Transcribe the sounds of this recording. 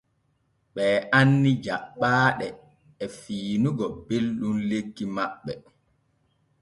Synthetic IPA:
ɓɛːʔanːid͡ʒaɓːaːɗɛː | fiːnuɡɔbelɗunleɡːimaɓːɛ

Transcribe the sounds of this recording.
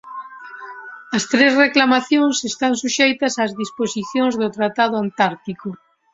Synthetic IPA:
ɐst̪ɾezreklamaθjõŋsest̪ansuʃejt̪ɐsaːzðisposiθjõŋzðot̪ɾat̪aðʊant̪aɾt̪iko

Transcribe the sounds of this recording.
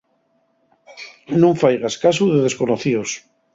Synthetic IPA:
nũɱfajɣ̞askasuðeðe̞sko̞noθios

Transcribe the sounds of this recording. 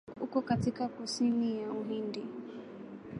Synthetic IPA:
ukɔkatikakusinijauɦindi

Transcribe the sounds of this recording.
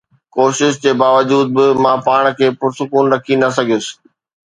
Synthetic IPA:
koːʃɪʃd͡ʑeːbaːʋəd͡ʑuːd̪̚bɪmãːpaːɽ̃kʰeːpʊɾsʊkuːnɾɐkʰinɐsɐɡʱijʊsɪ̥̆

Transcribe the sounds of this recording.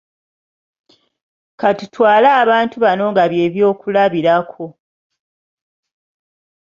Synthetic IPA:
katutʰwaːlaːβaːntuβano̞ŋɡaβje̞ːβjo̞ːkulaβiɾakʰo̞

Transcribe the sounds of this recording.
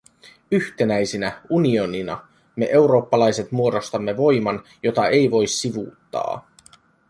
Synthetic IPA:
yht̪enæjsinæunio̞ninɑ̰ | me̞ʔe̞wɾo̞ːpːɑlɑjse̞t̪muo̞do̞st̪ɑmːe̞ʋo̞jmɑn | jo̞t̪ɑe̞jʋo̞jsːiʋṵːt̪ːɑ̰ː

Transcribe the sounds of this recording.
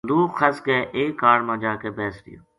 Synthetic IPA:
d̪uːxʰəskeːʔeːkːaːɽmãːd͡ʒaːkeːbɛːsd̪ɪ̰jo̰ː

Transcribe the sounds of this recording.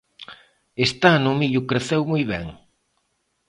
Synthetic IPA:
est̪anʊmiʎʊkɾeθewmujβɛŋ

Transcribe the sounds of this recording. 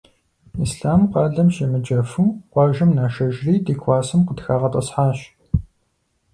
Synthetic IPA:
isɬaːmqɑːɮɐmʃɐmɨd͡ʒɐfuːqʷɑːʒɐmnaːʃɐʒriːdiːkʷʰɑːsɨmqədxaːʁɐtʼɐ̰sħaːɕ

